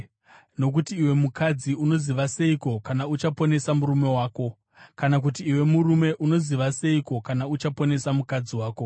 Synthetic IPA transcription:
no̞k̬utiːwe̞mukad͡ziuno̞ziʋase̞iko̞kanaut͡ʃapo̞ne̞samuɾume̞waːko̞ | kanak̬utiːwe̞murume̞ʔuno̞ziʋase̞iko̞kanaut͡ʃapo̞ne̞samukad͡ziwaːko̞

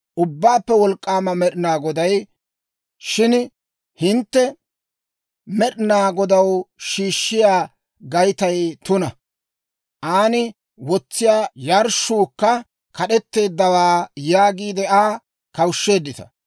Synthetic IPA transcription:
ʔʊbːaːpːɛwɔlkʼːaːmɐmɛɗɪnaːɡɔd̪ɐj | ʃɪn | hɪnt̪ːɛ | mɛɗɪnaːɡɔd̪ɐwʃiːʃːɪjaː | ɡɐjt̪ɐjt̪ʊnɐ | ʔaːnɪ | wɔt͡sːɪjaːjɐɾʃːuːkːɐ | kɐɗɛt̪ːe̞ːd̪ːɐwaːjaːɡiːd̪ɛʔaː | kɐwʃːe̞ːd̪ːɪt̪ɐ̥̰

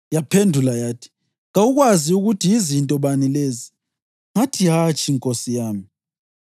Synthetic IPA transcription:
japʰendʱulajaːtʰi̥ | ŋauɣwaziuɣutʰiːzintʼɔβanilezi | ŋatʰiɦat͡ʃʼiŋkʼosijaːmi

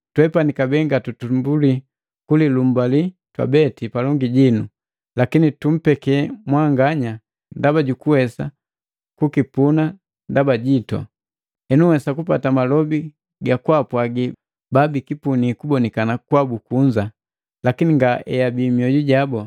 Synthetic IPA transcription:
twɛpanikabɛŋɡatutumbuli | kulilum̩bali | twa̰bɛtipalɔŋɡiɟinu | lakinitum̩pɛkɛmwaŋɡaɲa | ndabaɟukuwɛsa̰ | kukipuna | ndabaɟitɔ̰ | ɛnuwɛsakupatamalɔbi | ɡakwapwaɡi | babikipunikubɔnikanakwabukuɲd͡ʒa | lakiniŋɡaɛjabimiɔɟuɟabɔ

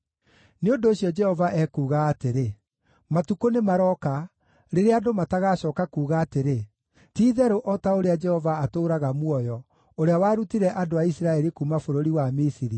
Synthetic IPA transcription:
neondoːɕjɔd͡ʒɛhɔvaʔɛkuːɣaːteɾe | matukonemaɾɔka | ɾeɾeadomataɣaːɕɔːkakuːɣaːteɾe | tiːðɛɾoʔɔtaoɾead͡ʒɛhɔvaːtoːɾaɣamwɔjɔ | oɾeawaːɾutiɾɛʔadoaisiɾaɛɾikumafoɾoɾiwamisiɾi

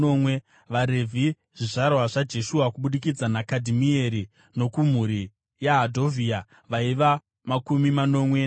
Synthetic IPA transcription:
omwe | ʋaɾevʱi | ʐ̥iʐarwaʐad͡ʒe̞ʃuakuɓuɗikid͡zanakadʱimieɾi | no̞kum̤uɾi | jaɦadʱo̞vʱia | ʋaiʋa | makumimano̞mwena

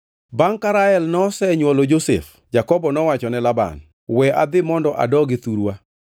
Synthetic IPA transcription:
baŋkaɾaɛlnɔsɛɲwɔlod͡ʒosḛf | d͡ʒakɔbɔnɔwat͡ʃɔnɛlaba̰n | wɛa̰d̪ɪmɔndɔʔa̰dɔɡɪt̪uɾwa

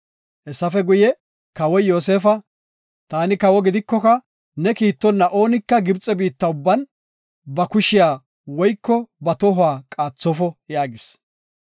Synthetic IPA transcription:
ʔɛsːɐfɛɡʊjɛ | kɐwɔjjo̞ːs̬e̞ːfɐ | t̪aːnɪkɐwɔɡɪd̪ɪkːɔkɐ | nɛkiːt̪ːɔnːɐʔo̞ːnɪkːɐɡɪbt͡sʼɛbiːt̪ːɐʊbːɐn | bɐkʊʃɪjaː | wɔjkːɔbɐt̪ɔɦʊaːkʼaːt͡sːɔfɔjaːɡɪs

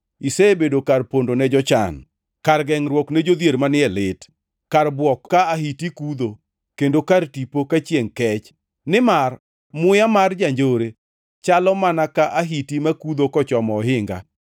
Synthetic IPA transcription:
isebedokarpondonɛd͡ʒɔt͡ʃa̰n | karɡɛŋɾwɔknɛd͡ʒod̪jeɾmanɪɛlɪt | karbwɔkːaaɦitikud̪o | kendokartipokat͡ʃjeŋkɛt͡ʃ | nɪmar | mʊjamard͡ʒaɲd͡ʒoɾe | t͡ʃalɔmanakaʔaɦitimakud̪okɔt͡ʃɔmɔːɦɪŋɡa̰

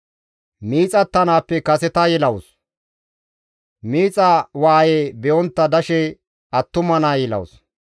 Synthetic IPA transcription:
miːt͡sʼɐt̪ːɐnaːpːɛkɐsɛt̪ɐjɛlɐwʊs | miːt͡sʼɐwaːjeːbɛʔɔnt̪ːɐd̪ɐʃɛ | ɐt̪ːʊmɐnaːjɛlɐ̰wʊs

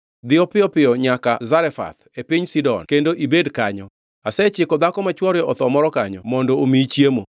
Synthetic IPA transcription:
d̪ɪɔpɪɔpɪɔɲakazaɾɛfa̰t̪epiɲsidɔ̰nkendoʔibedkaɲɔ | asɛt͡ʃɪkɔd̪akɔmat͡ʃwɔɾjɔɔt̪ɔmɔɾɔkaɲɔ̰mɔndɔomit͡ʃjemo

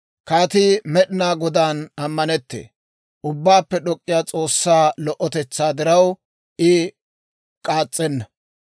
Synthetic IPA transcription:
kaːt̪ɪmɛɗɪnaːɡɔd̪anɐmːɐnɛt̪ːḛː | ʔʊbːaːpːɛɗɔkʼːɪjaːt͡sʼo̞ːsːaːlɔʔɔt̪ɛt͡sːaːd̪ɪɾɐw | ʔɪ | kʼaːt͡sʼːɛnːɐ

